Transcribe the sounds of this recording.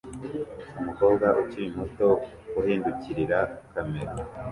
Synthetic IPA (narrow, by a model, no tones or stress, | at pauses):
umuko̞ːbɡaʔut͡ʃiimhoto̞ | uhiːnduciɾiɾakameɾo